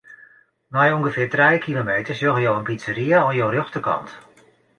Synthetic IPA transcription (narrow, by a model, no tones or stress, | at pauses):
majɔŋɡəfɪːtrɛjkʰilomeːtəsjøɣəjoːənpitsəriəɔnjoːrøxtəkʰɑ̰nt